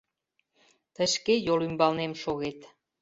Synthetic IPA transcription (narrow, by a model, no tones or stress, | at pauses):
t̪əʃkejolymbɑlnemʃoɣet̪